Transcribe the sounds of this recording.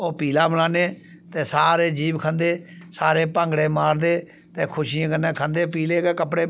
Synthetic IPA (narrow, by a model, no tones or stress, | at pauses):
oːpiːlaːbəlaːneː | t̪eːsaːɾeːd͡ʒiːbkʰãnd̪eːsaːɾeːpə̃ːŋɡɽeːmaːɾd̪eː | t̪eːkʰʊʃiːãːkənẽːkʰãnd̪eːpiːleːɡeːkəpɽeː